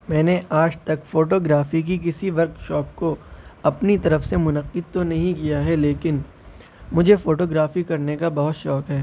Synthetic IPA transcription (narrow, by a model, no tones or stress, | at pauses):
mɛ̃ːneaːd͡ʒt̪ɐkfoːʈoːɡɾaːfik̬ik̬ɪsiʋɐɾkʃɔːp̚koɐpnit̪ɐɾəfsemʊnɐqːɪd̪̚t̪onɐɦĩkijaɦɛleːkɪn | mʊd͡ʒʱefoːʈoːɡɾaːfikɐɾnekabɐɦʊt̪ʃɔːkɦɛː